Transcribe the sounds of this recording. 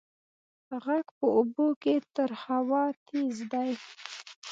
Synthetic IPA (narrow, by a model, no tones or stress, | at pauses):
ɣaɡpəuboket̪əɾhawɑt̪ʰizd̪aj